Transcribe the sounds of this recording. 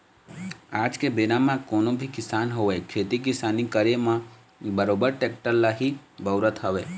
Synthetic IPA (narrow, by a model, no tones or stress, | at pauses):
aːd͡ʒkebenamãkoːnõbʱikɪsaːnɦoʋekʰeːt̪ik̬ɪsaːnikəɾemã | bəɾoːbəɾʈek̚ʈəllːaɦibəʋɾət̪ɦəʋeː